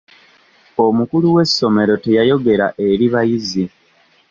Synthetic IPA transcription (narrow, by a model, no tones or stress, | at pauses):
o̞mukuluwe̞sːo̞me̞ɾo̞te̞jajo̞ɡe̞ɾaʔe̞ɾiβajizi